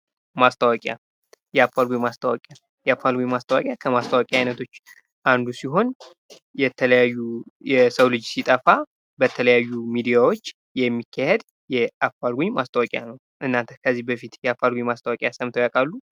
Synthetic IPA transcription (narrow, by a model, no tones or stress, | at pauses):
mast̪ʰʼəwakʼja̰ | jɛafalɡʷuɲmast̪ʰəwɔ̰kʼja | jɛafalɡʷuɲmast̪ʰʼəwa̰kʼjakʰəmast̪ʰʼəwakʼjaajnət̪ʰo̞t͡ʃː | ʔand̪usiɦo̞n | jɛt̪ʰələjajːujɛsəwlɨd͡ʒsit̪ʼəfa | bət̪ʰələjajːumid̪ijawo̞t͡ʃː | jɛmːikʰːahed̪ | jɛʔafalɡʷuɲmast̪ʼəwakʼja̰nəw | ʔɨnːant̪ʰə̥kʰəzːihbəfit̪jɛafalɡuɲmast̪ʰʼəwɔkʼjasəmt̪ʰəwjakʼalːu